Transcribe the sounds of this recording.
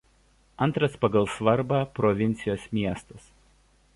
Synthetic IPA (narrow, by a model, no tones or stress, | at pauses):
ɐnˑt̪ɾɐspɐɡɐlˠsʋɐɾbɑːpɾɔʋʲɪnʲt̪sʲɪjoːsmʲiɛst̪ɐs